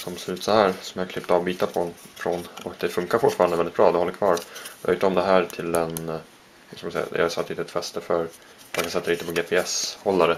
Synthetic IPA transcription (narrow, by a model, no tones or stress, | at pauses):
sɔmsʉ̟ːt̪sɔhæːɾsɔmjahkʰlɪpːt̪ɑːvbiːt̪apʰɔfɾɔnɔkd̪ɛfɵŋkaɾfʊʈːfɑːɾandəvɛlɪt̪bɾɑːd̪ɛhɔlːəɾkʰvɑ̰ːɾjɑ̰ʊʈ̪ːɔmd̪ɛɦæːɾʈʰɪlɛn | ɪskamd̪sɛ̰jːa̰d̪̰ja̰sat̪ːɪnəɛt̪fɛst̪əfœɾ | t̪mankʰansɛt̪ːaɾint̪əpʰɔɡeːpʰɛɛshɔlːaɾə